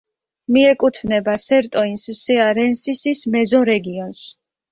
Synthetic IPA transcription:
miɛkʼut̪ʰvnɛbasɛɾt̪ʼɔinsisɛaɾɛnsisismɛzɔɾɛɡiɔns

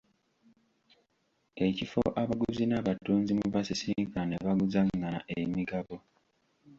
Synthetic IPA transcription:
ecifo̰ʔaβaɡuzinaβatuːnzimuβasisiːŋkaneβaɡuzaŋːana̰ʔemiɡaβo̞

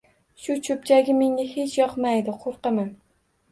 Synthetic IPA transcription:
ʃʊt͡ʃʰɵp̚t͡ʃʰaɡʲɪmeŋʲaɦet͡ʃʰjɒqmajd̪ɪqʰoɾqɨman

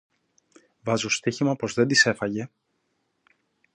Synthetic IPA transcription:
vɐzost̪içimɐpo̞zðe̞nd̪ise̞fɐʝe̞

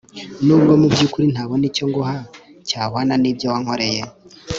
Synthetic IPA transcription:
nuːbɡomubɟuːkuɾin̥haːβoniːco̞ŋɡoha | caːwaːnaniːbjowaŋho̞ɾe̞je

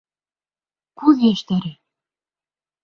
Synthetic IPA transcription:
kuɣeʃt̪æɾe

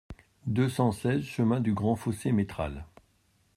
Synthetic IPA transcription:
d̪øsɑ̃sɛzʃəmɛ̃d̪yɡʁɑ̃fosemet̪χa̰l

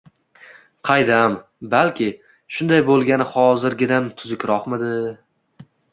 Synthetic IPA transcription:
qʰɑjd̪am | balkʲɪ | ʃʊnd̪ajbolˠɡʲanɪhɒzɪɾɡʲɪd̪ant̪ʰʊzɪkʲɾɒqmɪd̪ɪ

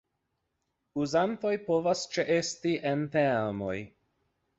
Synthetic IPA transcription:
uzanto̞jpo̞vast͡ʃeʔe̞stiʔente̞ɾmo̞j

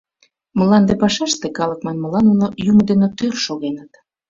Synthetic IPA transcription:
məlɑnd̪epɑʃɑʃt̪ekɑləkmɑnmə̆lɑnunojumod̪enot̪ørʃoɣenət̪

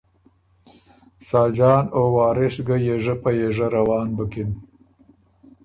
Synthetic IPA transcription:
sɑːld͡ʒɑːnowɑːɾɪsɡəjeʐəpajeʐaɾawɑːnbəkɪn

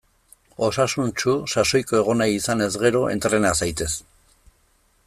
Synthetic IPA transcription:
o̞sasunt͡ʃusaso̞jko̞e̞ɣ̞o̞najisane̞zɣe̞ɾo̞ʔe̞̰nt̪ɾe̞nasajt̪e̞s

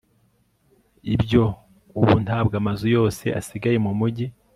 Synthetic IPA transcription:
ibɟo̞ | uβṵn̥haːbɡamazujo̞ːse̞̰ʔa̰siɡaje̞mumuɟi

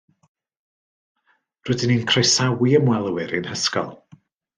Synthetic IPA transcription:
rʊːdɪninkʰrejsawiəmwɛlˠəwɪɾɨnhəskɔ̰lˠ

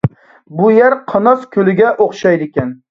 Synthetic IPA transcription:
bʊjaɾqʰɑnɒskʲʰɵlɪɡʲaʔoqʃajd̪ɪkʲan

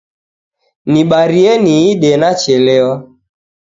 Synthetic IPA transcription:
niɓaɾieniiɗenat͡ʃɛleɔ

